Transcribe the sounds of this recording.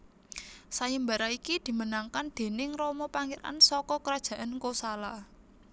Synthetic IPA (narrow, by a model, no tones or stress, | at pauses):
sajimbaɾaikid̪̥i̤mənaŋkand̪̥e̤nɪŋrɔmɔpaŋiɾa̰nsɔkɔkəɾad̥ʒ̥a̤ʔankosalah